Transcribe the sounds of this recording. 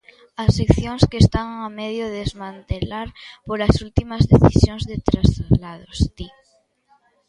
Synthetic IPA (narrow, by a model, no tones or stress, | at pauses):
ɐsːekθjoŋskeːst̪aŋamɛðjoðezmãnt̪elaɾpolɐsult̪imɐzðeθisjoŋzðet̪ɾasalaðost̪i